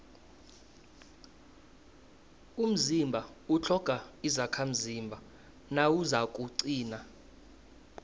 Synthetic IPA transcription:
um̩zimbʱaut͡ɬʰɔkʼaizakʰam̩zimbʱa | nawuzakʼuǀiːna

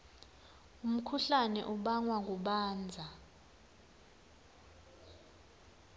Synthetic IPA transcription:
um̩kʰuɬanɛ̰ʔuɓaŋwaŋɡuɓaːnd͡zʱa

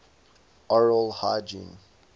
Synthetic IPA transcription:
ɔɹəlhad͡ʒḭ̃n

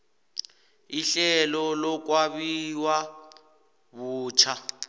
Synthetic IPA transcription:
iɬɛlɔlɔk̬ʼwaβiwa | βuːt͡ʃʰa

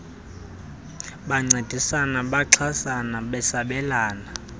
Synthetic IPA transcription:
ɓaŋ͡ǀed̥ʱisanaɓaǁʰasanaɓɛsaɓɛlaːna

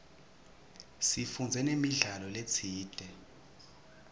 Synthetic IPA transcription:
sifund͡zʱɛnemiɮalɔlet͡sʰiːd̥ʱɛ

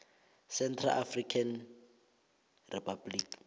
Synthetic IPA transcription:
sɛntʰra̰ʔafrikʰan | rɛpʰablik

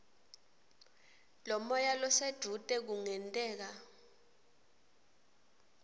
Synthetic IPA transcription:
lɔmɔjalɔsed̥ʱutʼɛk̬uŋɛntʼɛːk̬a

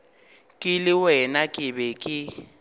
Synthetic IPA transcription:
kʼɪlɪwɛnakʼɪbɛkʼɪ

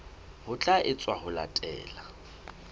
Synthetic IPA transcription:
hʊt͡ɬʼaʔɪt͡sʼwahʊla̰tʼɛ̰ːla

